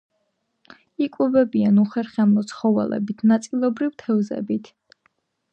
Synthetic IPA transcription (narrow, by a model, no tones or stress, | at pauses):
ikʼwɛbɛbianuχɛɾχɛmɔt̪sʰχɔvɛ̰lɛ̰bit̪ʰnat̪sʼilˠɔbɾivt̪ʰɛvzɛ̰bit̪ʰ